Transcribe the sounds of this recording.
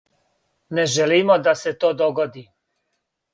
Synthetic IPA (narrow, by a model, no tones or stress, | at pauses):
neʒeliːmod̪ase̞t̪oːd̪o̞ɡod̪i